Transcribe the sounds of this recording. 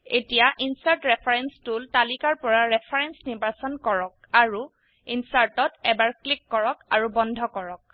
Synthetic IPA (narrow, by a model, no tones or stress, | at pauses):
etijaʔinsaɹtɹɛpʰɔɹɛnstultalikaɹpɔɹaɹɛpʰaɹɛnsnibasɔnkɔɹɔk̚aɹu | insaɹtɔtɛbaɹklikːɔɹɔkaɹubɔndʱɔkɔɹɔk̚